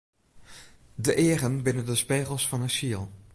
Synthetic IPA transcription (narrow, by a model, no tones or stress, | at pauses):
dəʔɪərənbɪnəndəspeːχəlˠsfɑnəsiəlˠ